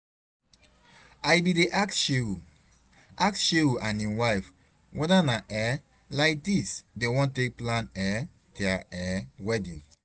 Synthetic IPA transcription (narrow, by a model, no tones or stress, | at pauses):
ajbideʔaksʃeu | ʔaksʃeuʔãnĩwaɪf | wʔɛdanaʔɛ | laɪk̚disdewɔ̃ntek̚plãnɛ | tɛaʔɛwɛdḭ